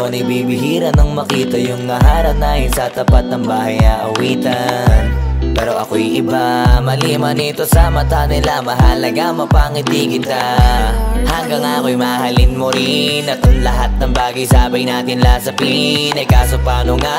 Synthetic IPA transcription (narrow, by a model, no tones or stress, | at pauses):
nɐjbibɪɦiːɾɐnɐŋmɐkiːt̪ɐjʊŋːɐɦaːɾɐnaːjɪnsɐt̪ɐpat̪̚nɐŋbaːhɐjɐʔɐwiːt̪ɐnpɛːɾo̞ʔɐko̞jʔɪbamɐliːmɐnit̪o̞sɐmɐt̪anɪlamɐɦɐlɐɡamɐpaːŋɪt̪iːɡɪnt̪ɐ | hɐŋɡɐŋakojmahɐlɪnmoɾɪnɐt̪oŋlɐɦat̪̚nɐŋbaːɡɐjsaːbɐjnaːt̪ɪnlaːsɐpinɐjkaːsopaːnoŋa